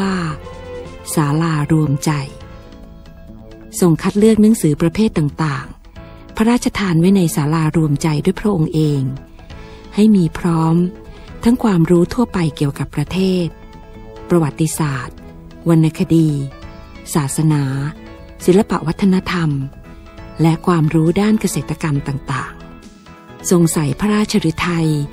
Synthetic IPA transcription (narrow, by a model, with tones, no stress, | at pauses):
waː˥˩ | saː˩˦laː˧ɾu˧əmt͡ɕa˧j | so˧˩ŋkʰa˦˥t̪̚lɯ˥˩ək̚na˩˦˥ŋsɯː˩˦pɾa˧pʰeː˥˩t̪ːaː˨˩ŋt̪aː˨˩ŋ | pʰa˦˥ɾaː˥˩t̪̚t͡ɕa˧t̪ʰaː˧nwa˦˥jna˧jsaː˩˦laː˧ɾu˧əmt͡ɕa˧jdu˥˩əpʰɾa˦˥ʔo˧ŋʔeː˧ŋ | ha˥˩jmiː˧pʰɾɔː˦˥mt̪ʰa˦˥ŋkʰwaː˧mɾuː˦˥t̪ʰu˥˩ɐpa˧jki˨˩əwka˨˩pːɾa˧t̪ʰeː˥˩t̪̚ | pɾa˧wa˨˩t̪ːi˧saː˨˩t̪̚ | wa˧nːa˧kʰa˧diː˧ | saː˨˩t̪̚sa˧naː˩˦ | si˨˩˦nla˧pa̰˨˩ʔwa˦˥t̪ʰːa˧na˦˥t̪ʰa˧m | lɛ˦˥ʔkʰwaː˧mɾuː˦˥daː˥˩nka˧seː˨˩t̪ʰːa˧ka˧mt̪aː˨˩ŋt̪aː˨˩ŋ | so˧ŋsa˨˩˦jpʰa˦˥ɾaː˥˩t̪̚t͡ɕʰa˧ɾɯ˦˥t̪ʰa˧j